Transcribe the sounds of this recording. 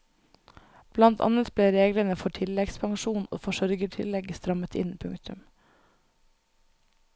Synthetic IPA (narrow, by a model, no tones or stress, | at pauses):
b̥lɑnt̪ʰɑ̰nət̪b̥leːɾeːɡlənəfɔʈʰɪlɛɡspʰɑŋʃuːno̰ːfɔʃœɾɡəʈʰɪlɛɡst̪ɾɑmət̪ʰɪ̰npʰʉŋkt̪ʉm